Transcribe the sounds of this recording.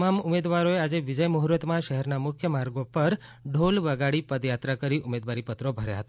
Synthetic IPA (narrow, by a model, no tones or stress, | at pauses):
mamʊmed̪ʋaɾoead͡ʒeʋɪd͡ʒəjmuɦɾət̪mãʃəɦɛɾnamʊkʰjəmaɾɡopəɾɖʱolʋəɡaɽipəd̪jat̪ɾakəɾiʔʊmed̪ʋaɾipət̪ɾobʱəɾja̰ɦət̪a